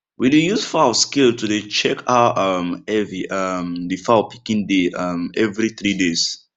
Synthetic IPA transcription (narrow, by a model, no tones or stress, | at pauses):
widejuzfɔaəskiltudet͡ʃɛkʰaamɛviʔamdifapʰi̥kĩndeamɛvɹiθɹides